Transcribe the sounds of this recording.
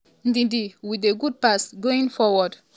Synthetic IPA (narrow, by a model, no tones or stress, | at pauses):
n̩dĩdiwideɡud̚pasɡoĩŋfɔwɔd